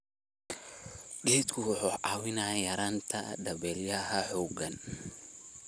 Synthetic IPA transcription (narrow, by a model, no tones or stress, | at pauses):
ɗɪit̪kʰʊwʊħuʔaːwɪnaːjɐɾaːnt̪ʰɐd̪ɐbɛːljɐɦɐħuːɡɐn